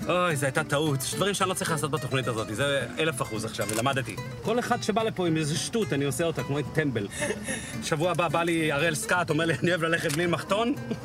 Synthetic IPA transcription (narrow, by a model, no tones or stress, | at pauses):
ʔojzeajtat̪auteɛʃdvaʁimʃeanlot͡sʁiχlaso̞t̪̚bat̪o̞χnitazo̞t̪izeelefaχuzaχʃavelamad̪et̪ḭ | ko̞leχad̪ʃebalepo̞imezʃt̪ut̪anio̞seot̪χakmoit̪embel | ʃavuababaliaʁelskato̞meʁlianioevlaleχet̪̚mlilmaχt̪o̞n